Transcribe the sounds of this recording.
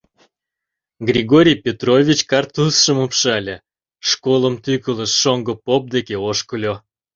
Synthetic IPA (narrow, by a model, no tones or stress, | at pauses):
ɡrʲiɡoɾʲijpʲet̪rovʲit͡ɕkɑrt̪usʃəmopʃɑlʲe | ʃkolˠəmt̪ykələʃːoŋɡə̆pop̚d̪ekeoʃkəlʲo